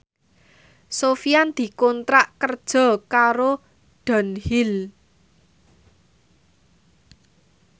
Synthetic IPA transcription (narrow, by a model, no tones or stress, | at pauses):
sofijand̪̥i̤kɔnt̪ɾaʔkərd̥ʒ̥ɔ̤kaɾo | ɖ̥a̤nhil